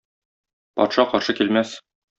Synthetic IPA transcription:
pɒ̰t̪ʃɑqɒɾʃɤkilmæs

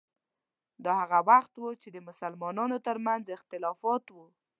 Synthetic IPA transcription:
d̪ɑhaɣawaxt̪wut͡ʃed̪əmʊsalmɑnɑnot̪əɾmanzɪxt̪ɪlɑfɑt̪wu

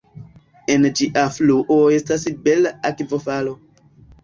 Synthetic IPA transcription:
end͡ʒiʔafluʔoe̞stasbelakvofalo̞

